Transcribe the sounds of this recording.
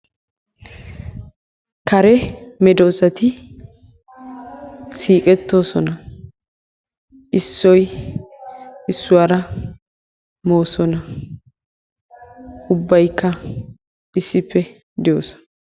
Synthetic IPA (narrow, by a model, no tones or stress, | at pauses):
kɐɾɛmɛd̪oːsɐt̪ɪ | siːkʼɛt̪ːo̞ːsɔnɐ | ʔɪsːɔj | ɪsːʊwaːɾɐ | mo̞ːsɔnɐ | ʊbːɐjkːɐ | ɪsːɪpːɛ | d̪ɛjoːsɔ̥n